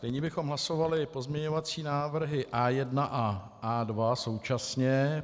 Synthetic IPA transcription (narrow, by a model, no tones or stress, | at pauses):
nɪɲɛbɪxo̞mɦlaso̞valɪpo̞zmɲɛɲo̞vat͡siːnaːvr̩ɦɪʔaːjɛdnaʔa | aːdvaso̞wt͡ʃasɲɛ